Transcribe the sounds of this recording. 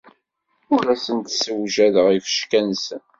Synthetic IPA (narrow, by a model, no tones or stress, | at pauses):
ʊɾæsənt̪səwʒæðəʁifə̥ʃkænsən